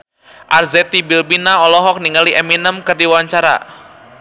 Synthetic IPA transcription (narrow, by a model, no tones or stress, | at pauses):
ʔarzɛt̪ibilbinaɔlɔɦɔk̚niŋaliʔɛminəmkɨrdiwaɲt͡ʃaɾa̰